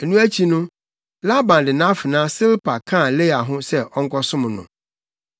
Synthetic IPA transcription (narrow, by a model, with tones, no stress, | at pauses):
e˨nũ˦æ˦t͡ɕʰi˦nʊ̃˦ | la˦bã˨n˨dɪ˨nã˦fɪ˨nãː˦sɪ˦lpʰa˨kʰã˦˨le˦a˨ɦʊ̃˦sɛ˦ʔɔ˦ŋ̩˦kʰɔ˦sʊ̃˦m̃˨nʊ̰̃˨